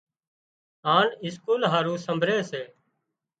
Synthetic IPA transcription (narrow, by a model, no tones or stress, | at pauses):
aːɳɪskuːlɦaːɾũːsəmbʱɾeːseː